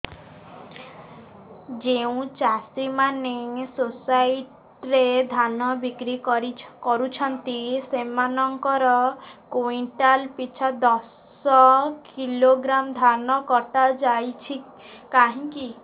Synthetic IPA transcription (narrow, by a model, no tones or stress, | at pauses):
d͡ʒeũt͡ʃasimanesosajiʈ | ɾed̪ʱanɔbikɾikɔɾut͡ʃʰɔnt̪isemanɔŋkɔɾɔkoiɳʈalpit͡ʃʰad̪ɔs | ɔkiloɡɾamd̪ʱanɔkɔʈad͡ʒajt͡ʃʰi | kaɦĩki